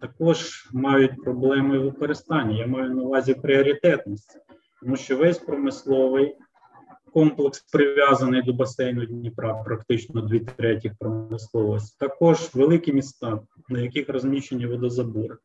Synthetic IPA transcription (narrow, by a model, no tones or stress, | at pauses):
t̪ɐkɔʒmɑjʊt̚ʲpɾɔblˠɛmɪʋɪkɔɾest̪ɑnʲːɐjamɑjʊnɐʋɑzʲipɾʲɪɔɾʲit̪ɛt̪nisʲtʲi̥ | t̪ɔmuʃt͡ʃɔʋɛsʲpɾɔmɪslˠɔʋɪj | kɔmplˠekspɾɪʋʲjɑzɐnɪjd̪ɔbɐsɛjnʊd̪ʲnʲipɾɑwpɾɐkt̪ɪt͡ʃnɔd̪ʲʋʲit̪ɾɛtʲixpɾɔmɪslˠɔʋɔsʲtʲt̪ɐkɔʒʋelˠɪkɪmʲist̪ɑ | nɐjɐkixɾɔzʲmʲit͡ʃenʲːiʋɔd̪ɔzɐbur